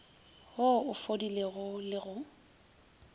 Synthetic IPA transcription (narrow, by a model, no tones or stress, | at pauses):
hoʊfodileɣʊlɪɣʊ